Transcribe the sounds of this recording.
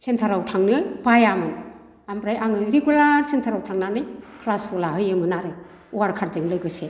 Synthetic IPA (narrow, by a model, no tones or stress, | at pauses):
hʰentʰaɾawtʰaŋnɯjbajamɯn | ambɾajʔaŋɯɾeɡulaɾsentʰaɾawtʰaŋnanɯjkʰlaspɔlahɯjɯmɯnaɾɯ | uaɾkʰaɾdɯŋlɯɡɯse